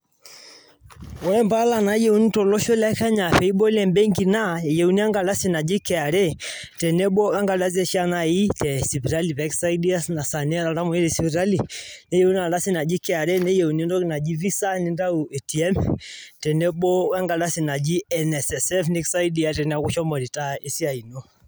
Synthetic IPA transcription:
ɔ˨ɾɛ˦mba˦la˨na˨˦jɛ˦u˦ni˦tɔ˨lɔ˦ʃɔ˦la˦ka˦ɲa˨ɸɛ˨˦i˦ɓɔ˦lɛ˦˨mbɛ˦ŋɡi˨na˦˨jɛ˨u˨ni˦a˦ŋɡa˨la˦si˦˨na˨d͡ʒi˦kɛ˨a˨ɾɛ˦ | tɛ˨nɛ˦ɓɔ˦ka˦ŋɡa˨da˦zɛ˦ʃi˦a˦na˨i˦tɛ˨si˨βi˨ɾa˦li˨βɛ˦ksa˦i˦di˦a˦sna˨sa˨ni˦a˦ɾa˨ɾa˦mɔ˨i˦ɾɛ˨si˨βi˨ɾa˦li˨ne˦jɛ˨u˦ni˦a˨da˦si˦na˨d͡ʒi˦kɛ˨a˨ɾɛ˦ne˦jɛ˨u˨ni˦ndɔ˦ki˨na˨d͡ʒi˦vi˦sa˦ni˦nda˦u˨ɛ˨ti˨ɛ˦mtɛ˨ne˦ɓɔ˦ka˦ŋɡa˨da˦si˨na˨d͡ʒi˦ɛ˨nɛ˨sɛ˨sɛ˦fnɛ˦ksa˦i˦di˦a˨˦tɛ˨nɛ˨a˨ku˦ʃɔ˦mɔ˨ɾi˨ta˦e˦si˦a˨i˨no˦

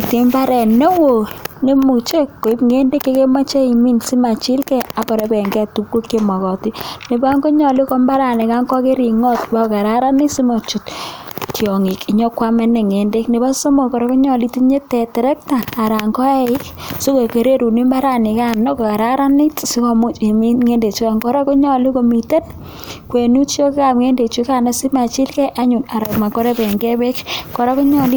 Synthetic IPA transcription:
ti˨mba˦ɾɛ˨nːe˦wo˨ne˦mu˨t͡ʃe˦kːo˨i˦pŋe˦nde˦kːe˦ke˦ma˦t͡ʃe˦i˨mi˦nsi˦ma˨t͡ʃi˦lkɛ˦a˨kɔ˨ɾe˦pɛ˨ŋɡɛ˦˨tu˦p̚ko˦ke˦ma˨kɔ˨ti˦ne˨ba˦ŋɡo˦ɲɔ˨li˦kɔ˦mba˦ɾa˨nɛ˨ka˦ŋkɔ˦ke˦ɾi˨ŋɔ˦tba˦˨ka˨ɾa˦ɾa˦nɪ˦si˦mɔ˨t͡ʃu˨ttjɔ˨ŋi˨ki˦ɲɔ˦kwa˦me˦ne˨ŋe˨nde˦kne˨ba˦so˦mo˨kɔ˨ɾɔ˦ku˦ɲɔ˨li˦ti˦ɲe˦tɛ˨tɛ˨ɾɛ˦k̚taː˨ɾa˨ŋɔ˦ɛ˦ɪ˦k | so˦ko˨ke˨ɾe˦ɾu˨ni˦ma˦ɾa˦ni˨ka˦nɔ˦ko˨ka˨ɾa˦ɾa˦nɪ˦tsi˦ko˨mu˦˨mi˦ŋe˦nde˨t͡ʃu˦ka˨ŋkɔ˦ɾɔ˦ko˦ɲɔ˨li˦ko˨mi˨te˦n | kwe˨nu˦t͡ʃo˦ke˦ka˨pŋe˦nde˨t͡ʃu˦ka˦na˦si˦ma˨t͡ʃi˦lkɛ˦ʔa˦ɲʊ˨na˨ɾɔ˨kma˨kɔ˦ɾe˦pɛ˨ŋɡɛ˦bɛ˦kkɔ˨ɾɔ˦ku˦ɲɔ˦˨li˦

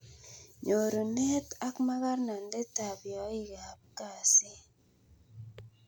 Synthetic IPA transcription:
ɲo˨ɾo˨nɛ˦ta˦kma˦ɣa˦ɾna˨nde˦ta˨bjɔ˨˦ɪ˦˨ɡa˨b̚ka˨sɪ˦

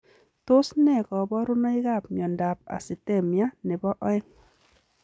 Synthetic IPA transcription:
tʊ˦snɛ˦˨kɔ˨bɔ˦ɾʊ˦nɔ˦ɪ˦ɣa˦˨p̚mjɔ˨nda˨p̚a̰˨sɪ˨tɛ˦˨mja˦nɛ˨bɔ˦ʔɔ˦ɪ˦

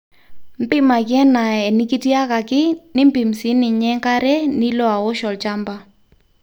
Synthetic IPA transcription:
m̩˦pɪ˦ma˨kɛ˦na˨ɛ˨nɪ˦ki˦ti˦a˦ka˨kɪ˦nɪ˦m˦bɪ˨msɪ˨˦nɪ˨ɲɛ˦ŋka˦ɾɛ˦nɪ˦lɔ˦a˨wɔ˦ʃɔ˨lt͡ʃa˦mba˦

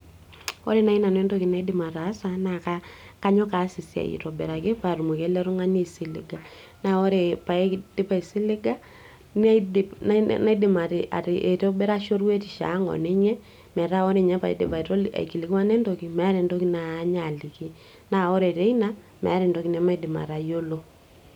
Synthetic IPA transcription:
ɔ̰˦ɾe˦na˦i˦na˨nɛ˦ndo˦ki˨na˦i˦dɪ˨ma˨ɾa˨˦sa˦na˨ka˦ka˦ɲɔ˦ka˨˦si˨sja̰˨ḭ˨ɾɔ˨bɛ̰˨ɾa˨ke˦pa˨ɾu˨mu˨ke˦lɛ˦ɾʊ˦ŋa˦ni˦si˦lɪ̰˦ɡa˨ | na˦o˦ɾe˨pa˨e˦d̥ɪ˦pa˦i˨sɪ˦lɪ˦ɡa˦ | n˦dɪ˦pna˦dɪ˦ma˨ɾɪ˨ʔa̰˨ɾi˨ʔe˨to˦bɛ˦ɾa˦ʃo˦ɾwe˦ti˨ʃa̰˨˦ŋɔ̰˨ne˦ɲɛ˦ | mɛ˨ɾa˦o˦ɾe˨ɲɛ˦pa˨ḭ˨dɪ˨pa˨i˨ɾo˦la̰˨ki˨li˨ka˦ne˦ndo˨˦ki˨mɛ˨˦a˦ɾe˨ndo˦ki˦naː˨˦ɲa˨li˨ki˦ | na˦o˦ɾe˨ɾe˦i˦na˦ | mɛ̰˨a˦ɾɪ˨ndo˦ki˦nɛ˨˦ma˦i˦dɪ˨ma̰˨ɾa˨jo˦lo˦

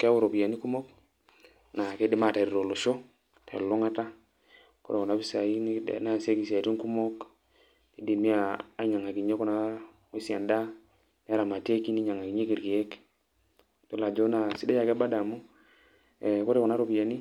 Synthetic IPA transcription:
ke˦a˦wu˦ɾo˨pi˨a˨ni˦ku˦mo˦k | na˨ke˦de˦ma˦˨ta˨ɾɾo˨lo˨ʃo˦ | tʰḛ˨lo˦ŋa˦ta˦ | ko̰˦ɾe˨kɔ˨na˨˦bi˦sa˨i˦n̰˦na˦˨se˦ki˨si˨a˨ti˦ŋku˦mo˦k | ti˨˦di˨mi˦aː˨˦ɲa˨ŋa˨ki˨ɲe˦ko˦na˦ | we˦si˨a˨nda˦ | ni˦a˦ɾa˨ma˨te˦ki˦ni˦ɲa˨ŋa˨ki˨ɲe˦ki˨ɾɡi˨e˦k | d̥o˦la˨d͡ʒo˦na˨si˦de˦ja˨ke˦ba˦da˨mu˦ | e˨ko˦ɾe˨ko˨na˦ɾo˨pi˨ja˨ni˦

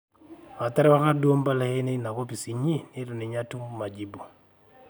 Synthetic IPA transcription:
wa˨ta˦ɾɛ˦wa˦ka˦du˦o˦mba˦la˦he˦ne˦na˨ko˦pi˨si˨ɲi˦ne˦ɾu˨ne˨ɲa˦tu˦m˦ma˨d͡ʒi˨bu˨

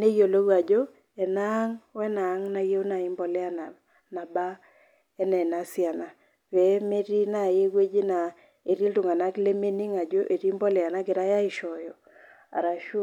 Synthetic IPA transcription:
ne˦jo˨lo˦ɡa˨d͡ʒo˦ | ɛ˨na˦ŋwɛ˦naː˨˦ŋna˦je˦wna˨ɪ˦mbɔ˨lɛ˦a˨na˨ | na˨ba˦ | ɛ˦nɛ˨na˨sɪ˦a˨na˨ | pɛ˨˦me˦ɾi˦na˦˨je˦we˦d͡ʒi˦na˨ | e˨ɾi˦ltu˨ŋa˨na˦kle˦me˦ni˦ŋa˨d͡ʒo˦ʔe˨ɾi˦mbɔ˦lɪ˨a˨na˦ɡɪ˨ɾa˦ja˦ɪ˨ʃɔ˨jɔ˨ | a̰˨ɾa˨ʃu˦

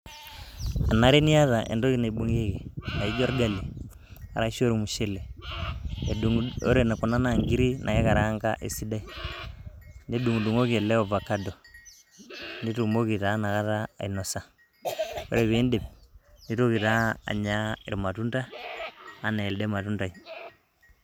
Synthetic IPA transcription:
a˨na˦ɾe˦ni˦a˦ða˨ʔḛ˨ndo˦i˦˨na˨i˨bo˦ŋe˦ke˨a˨i˦d͡ʒo˦ɾɡa˦˨li˨ | a̰˨ɾa˦ʃo˦ɾmu˨ʃe˦le˨ | o̰˦ɾe˦˨na˨ku˨na˦na˨ŋɡi˦ɾi˦nʔa˨e˦ka˨ɾa˦ŋka̰˦ʔḛ˨si˦da˦i˨ | ne˦du˨ŋ˨du˨ŋo˦ke˨le˦o˨va˨ka˦do˨ | ni˦tu˨mo˦ki˨ta˨˦na˨ka˦ta̰ː˦˨i˨no˨sa˨ | o̰˦ɾe˨βe˨˦nde˨p̚ni˦to˦ki˨ta̰ː˦˨ɲa˦ḭ˨ɾma˨tu˦nda˦ | a˨na˨e˨lde˦ma˨tu˦nda˨i˨

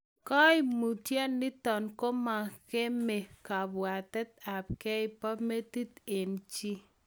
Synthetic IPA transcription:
kɔ˦jmu˨tjɛ˦nːi˦tɔ˨nko˦ma˨ke˦me˨ka˨bwa˨tɛ˦t̪̚a˨p̚kɛ˦ɪ˨pɔ˦me˦ti˦t̪e˨nt͡ʃi˦

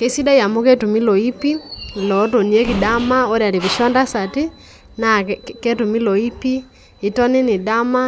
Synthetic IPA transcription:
ke˦si˦da˦ja˨mo˦ke˦tu˨mi˦lɔ˨i˦pi˦˨lɔ˨˦to˨ni˨e˦ki˨da˦ma˦o˦ɾja˨ɾe˨βi˨ʃɔ˦nda˦sa˨ti˦ | na˨ke˦tu˨mi˦lɔ˨i˦pi˦ | i˨tɔ˦nɪ˦nɪ˨da˦ma˦

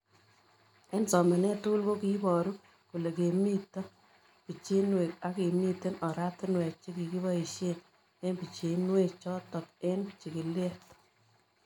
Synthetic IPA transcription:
e˦nsɔ˨ma˨nɛ˦tu˦lbo˦ki˦bɔ˨ɾu˦ | ku˨le˨ke˨mi˦tːɔ˦ | pi˨t͡ʃe˦nwe˨k̚a˦ke˨mi˦te˦nɔ˨ɾa˦tɪ˦nwɛ˨k̚t͡ʃe˦ki˨ki˦βɔ˦i˨ʃe˦n | e˦nbi˨t͡ʃe˨nwe˦k̚t͡ʃɔ˦tɔ˨ke˦nt͡ʃi˨ki˨le˦t

